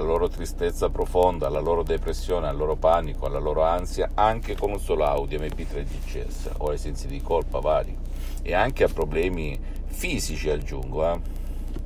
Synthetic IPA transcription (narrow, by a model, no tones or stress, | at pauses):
laloːɾot̪ɾist̪et̪sːapɾofond̪aalːaloːɾod̪epɾesːjoːnealːoːɾopanikoalːaloːɾoansjaaŋk̟ekonunsɔːloa̰wd̪jomepːit̪ɾed͡ʒ̪it͡ʃːɛ̰sːa̰ʔoajsɛnt̪sid̪ikolpavaːli | eaŋk̟eapːɾoblɛːmi | fiːzit͡ʃiad͡ʒuŋɡoa